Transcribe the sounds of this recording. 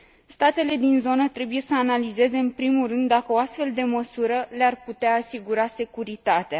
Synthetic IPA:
st̪at̪e̞le̞d̪inzo̞nət̪ɾe̞buje̞səanalize̞ze̞ɨnpɾimulrɨnd̪ːakəoast̪fe̞ld̪e̞məsuɾəlearput̪eaːsiɡuɾase̞kuɾit̪at̪ea

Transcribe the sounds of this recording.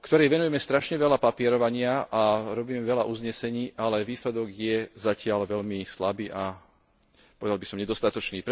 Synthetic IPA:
kt̪ɔɾɛjʋɛnujɛmɛst̪ɾaʃɲɛʋɛlapapɪɛɾɔʋaɲɪaʔaɾɔbiːmɛʋɛlaʔuzɲɛsɛɲiːʔalɛʋiːslɛd̪ɔɡjɛzacɪalʋɛlmislabiːʔa | pɔʋɛd̪albisɔmɲɛd̪ɔst̪at̪ɔt͡ʃniːpɾ

